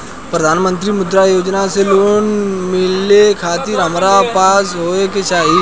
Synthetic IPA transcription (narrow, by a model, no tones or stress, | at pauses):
pɾɐd̪ʱaːnmə̃nt̪ɾimʊd̪ɾajoːd͡ʒnaseloːnmɪlːekʰaːt̪ɪɾɦəmɾapaːsɦoːeket͡ʃaːɦi